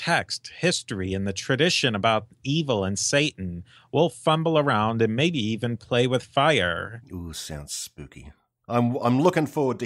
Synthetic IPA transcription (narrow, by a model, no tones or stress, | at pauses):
tʰɛksthɪstɹiɨ̃nðɨtʰɹ̥ɨdɪʃɨ̃nəbaʊɾivl̩ˠə̃nseɪʔn̩ | wɪlˠfʌ̃mbl̩ˠə˞ãʊ̃ndɨ̃nmeɪbiivɨ̃npʰl̥eɪwɨð̥faɪə̰˞usã̰ʊ̃n̥spʉ̰kḭ | ʔãɪ̃mã̰ɪ̃mlʊkɪ̃ŋfɔɹwə˞d̚tɨ